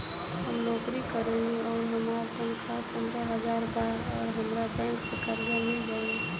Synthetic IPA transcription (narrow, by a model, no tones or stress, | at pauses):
həmnɔːkɾikəɾẽŋɡeɔːɾɦəmaːɾt̪ə̃mkʰapə̃nd̪ɾəɦəzaːɾbaːɾɔːɾɦəmɾabɛ̃ːŋksəkaɾd͡ʒəmẽɡeẽ